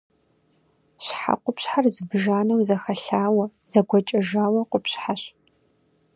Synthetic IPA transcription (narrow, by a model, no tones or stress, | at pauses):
ɕħa̰qʷʊpɕħarzɨbʒaːnɐwzɐxɐɬaːwɐzɐɡʷɔt͡ʃʼɐʒaːwɐqʷʊpɕħaɕ